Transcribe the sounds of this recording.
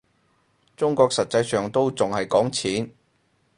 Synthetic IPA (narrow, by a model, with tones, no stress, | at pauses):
t͡sʊ˥ŋkɔː˧k̚sɐ˨t̚t͡sɐ˧jsœː˨˩ŋt̪o˥wt͡sʊ˨ŋhɐ˨jkɔː˨˥ŋt͡sʰiː˨˥n